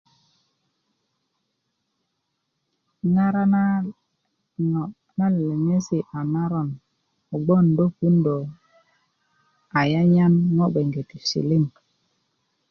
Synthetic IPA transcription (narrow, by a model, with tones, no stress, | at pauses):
ŋa˦ɾa˦˨ | na˦lle˨ŋe˦si˨ʔa˨na˦ɾɔ˦˨n | o˨ɡ͡bo˦˨ndo˦ku˦ndo˨ | a˨ja˦ɲa˦nŋɔ˦ɓe˨ŋɡe˨ti˨sḭ˨li˦˨n